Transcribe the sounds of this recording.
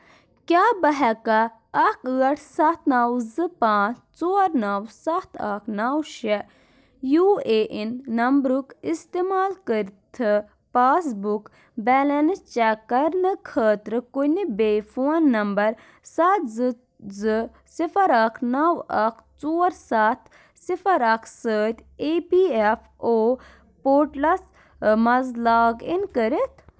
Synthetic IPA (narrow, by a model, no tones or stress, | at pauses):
kjaːbɐɦɛkɐ | ɐkʰɨɐʈʰsɐt̪ʰnawzɨpãːt͡st͡soːɾnawsɐt̪ʰɐkʰnawʃɛ | juːeʔinːɐmbɾukist̪emaːlkəɾt̪ʰɨ | paːsbuk | bɛːlɐnt͡ʃakɐɾnɨkʰəːt̪ɾɨkunibeːfʰoːnːɐmbɐɾ | sɐt̪zɨ | zɨ | sifʰɐɾɐkʰnɐwɐkʰt͡soːɾsat̪ʰ | sifʰɐɾɐkʰsəːt̪ʲeːpiefʰ | oː | poːɾʈlɐs | mɐzlaːɡinkəɾit̪ʰ